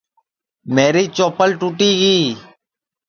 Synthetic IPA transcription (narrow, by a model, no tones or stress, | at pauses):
meːɾiːt͡ʃoːpəlʈuːʈiːɡiː